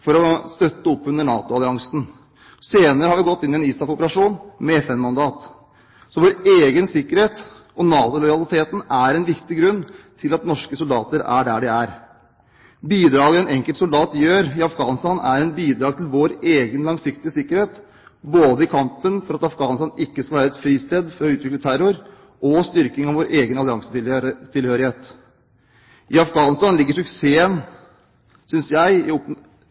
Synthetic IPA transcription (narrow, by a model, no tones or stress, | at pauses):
fɔɾɔst̪œt̪ːəɔpːʉnːəɳɑːt̪ʊɑlɪɑŋsn̩ | seːnəɾəhɑɾʋɪɡɔt̪ːɪnːɪɛniːsɑkɔpəɾɑʂuːnmɛɛfɛnmɑnd̪ɑːt̪ | sɔʋoːɾeːɡənsɪkːəɾheːt̪ | ɔnɑːt̪ʊlɔʏjɑlˠɪt̪ʰeːt̪n̩æɾɛnʋɪkt̪ɪɡɾʉnːt̪ʰɪlɑt̪nɔʂkəsʊld̪ɑːt̪əɾæ̰ɖæɖɛæɾ | biːd̪ɾɑːɡəɛnɛŋkəlt̪sʊld̪ɑːt̪jøːɾɪɑfɡɑːnst̪ɑnæɾɛnbiːd̪ɾɑːɡ̚t̪ʰɪlʋoːɾeːɡənlɑŋsɪkt̪ɪəsɪkːəɾheːt̪ | boːd̪əɪkʰɑmpənfɔɾɑt̪ɑfɡɑːnəst̪ɑːnɪkːəskɑlʋæːɾəɛt̪fɾiːst̪eːd̪fɔɾɔʉːt̪ʋɪklət̪ʰæɾʊɾ | ʔɔst̪ʏɾkɪŋɑʋoːɾʔeːɡənɑlɪɑŋsət̪ɪt̪ʰɪlhøːɾɪheːt̪ | ʔɪɑfɡɑːnɪst̪ɑnlɪɡːəʂʉkseːən | sʏnsjæɪɪp